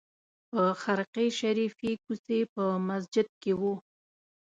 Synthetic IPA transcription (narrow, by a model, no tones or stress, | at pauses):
pəxaɾqeʃaɾifikusepəmas̬d͡ʒɪd̪̚kewu